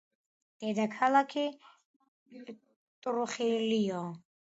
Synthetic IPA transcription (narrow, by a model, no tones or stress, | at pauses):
d̪̥ɛd̪akʰalakʰi | t̪ʼɾuχiliɔ